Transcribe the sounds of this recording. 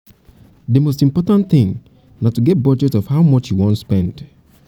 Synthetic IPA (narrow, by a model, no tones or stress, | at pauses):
dəmostĩmpɔtãnθɪ̃ŋ | natuɡɛt̚bɔd͡ʒɛtɔfhaʊmʌt͡ʃjuwɔ̃ntspɛ̃nd̥